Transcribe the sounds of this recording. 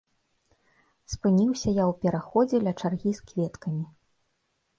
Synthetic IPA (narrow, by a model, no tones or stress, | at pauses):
spɨnʲiwsʲɐjawpʲɛɾaxɔd͡zʲɛlʲɐt͡ʂarɣʲiskvʲɛt̪kɐmʲi